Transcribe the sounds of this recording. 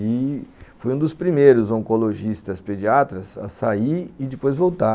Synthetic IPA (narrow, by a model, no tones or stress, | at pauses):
ifojũd̪ʊspɾimejɾʊzõŋkoloʒist̪ɐsped͡ʒiat̪ɾɐzɐ̰saiɾɪd͡ʒɪpojzvowt̪a